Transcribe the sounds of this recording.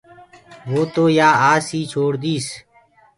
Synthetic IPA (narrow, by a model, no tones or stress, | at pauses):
ʋoːt̪oːjaːaːsiːt͡ʃʰoːɽd̪iːs